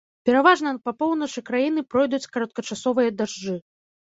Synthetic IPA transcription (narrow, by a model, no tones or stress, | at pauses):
pʲɛɾavaʐnɐpɐpɔwnɐt͡ʂɨkɾajinɨpɾɔjd̪ut͡sʲkɐɾɐt̪̚kɐt͡ʂasɔvɨjɐd̪aʐd͡ʐɨ